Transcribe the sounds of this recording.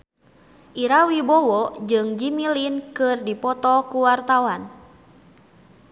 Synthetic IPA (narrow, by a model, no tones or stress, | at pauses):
ʔiɾawibɔwɔd͡ʒɨŋd͡ʒimilinkɨrdipɔt̪ɔkuwart̪awan